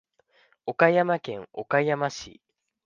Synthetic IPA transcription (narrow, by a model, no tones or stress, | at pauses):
o̞kaijamakẽ̞ŋo̞̰kaijamaɕḭ